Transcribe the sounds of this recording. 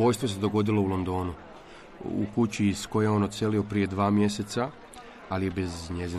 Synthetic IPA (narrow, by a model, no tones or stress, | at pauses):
o̞jst̪ʋo̞s̬e̞d̪o̞ɡo̞d̪ilo̞ulˠo̞nd̪o̞ːnu | ṵkut͡ɕiːsko̞jeo̞ːnot̪se̞lio̞pɾie̞d̪ʋaːmje̞se̞t̪sa | alije̞be̞zɲe̞zi